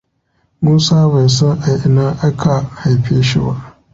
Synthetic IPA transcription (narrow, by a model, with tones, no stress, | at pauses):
muː˦saː˦ba˨jsɔ˦ŋʔa˨jʔɪ˨naː˦ʔa˦kʰa˨ha˨jɸeː˦ʃi˦ba̰˦ʔ